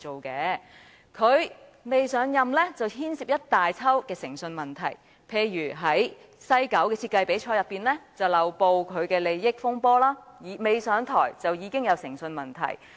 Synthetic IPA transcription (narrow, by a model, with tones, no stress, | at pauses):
o˨wkɛː˨˧˥ | kʰɵ˨˧ɥme˨jsœː˨˥ŋjɐ˨mlɛː˥t͡sɐ˨whiː˥nsiː˨p̚jɐ˥t̚t̪aː˨jt͡sʰɐ˥wkɛː˧sɪ˨˩ŋsɵ˧nmɐ˨˩nt̪ʰɐ̰˨˩j | pʰe˧jjyː˨˩ɦɐ˨˥j | sɐ˥jkɐ˨˥wkɛː˧t͡sʰi˧t̚kːɐ˧jpe˨˥jt͡ʃʰɔː˧˥jɐ˨pːiː˨nlɛː˥t͡sɐ˨wlɐ˨wpo˧wkʰɵ˨˧ɥkɛː˧le˨˧jːɪ˥k̚fʊ˥ŋpɔː˥laː˥jiː˨˧me˨jsœː˨˥ŋt̪ʰɔ̰ː˨˩jt͡sɐ˨wjiː˨˧kɪ˥ŋjɐ˨˧wsɪ̰˨˩ŋsɵ˧nmɐ˨nt̪ʰɐ̰˨˩j